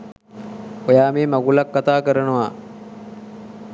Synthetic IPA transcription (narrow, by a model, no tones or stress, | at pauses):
ojaːmeːmaɡulakːat̪aːkəɾənəʋa